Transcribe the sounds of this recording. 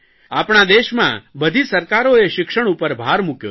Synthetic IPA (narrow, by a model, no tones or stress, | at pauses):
apɳ̃ad̪eʃmã̰bəd̪ʱisəɾkaɾoeʃɪkʃəɽ̃upəɾbʱaɾmukjo̰